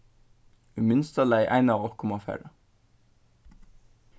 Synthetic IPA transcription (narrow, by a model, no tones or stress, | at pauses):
ʉmʏnst̪əlæɪʔæ̰ɪnɑːʋɔkʰʊmɑfæ̰ːɾə